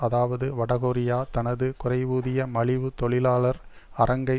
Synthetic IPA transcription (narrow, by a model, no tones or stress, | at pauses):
ɐðaːʋɐðɯʋɐɽɐɣoːɾɪjaːt̪ɐnɐðɯkʊrɐɪʋuːðɪjɐmɐɭɪʋɯt̪ɔɭɪlaːlɐɾ | ɐrʔɐŋɡɐɪ